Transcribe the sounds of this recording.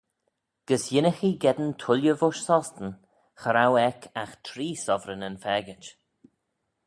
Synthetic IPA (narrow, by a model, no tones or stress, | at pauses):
ɡ̥əsjɪnəxiɡɛd̪əntʰʊljəvʊʃsɔst̪ən | xəɾawɛkʰaxt̪ʰɾiːsɔvɾənənfɛːɡɪt͡ʃ